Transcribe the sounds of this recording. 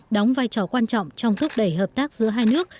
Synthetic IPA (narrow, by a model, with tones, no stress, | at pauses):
ɗɔ˨˦wŋ͡mvaː˧jt͡ɕɔ˧˩kwaː˧nt͡ɕɔ̰˧˨wŋ͡mt͡ɕɔ˧wŋ͡mt̪ʰʊ˦˥k͡p̚ɗə˧˩jɦəː˨˩p̚t̪aː˦˥k̚zɨ̰˧˥əɦaː˧jnɨ˦˥ək̚